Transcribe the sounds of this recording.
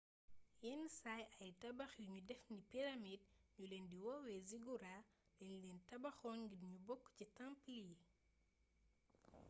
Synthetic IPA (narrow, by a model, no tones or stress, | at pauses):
jɛnsaːjɐjtɐbɐxjuɲudɛfnipiɾɐmid̚ɲulɛːndiwɔwɛziɡuɾaː | lɛɲulɛːntɐbɐxɔːnɡidɲubɔkːcitampili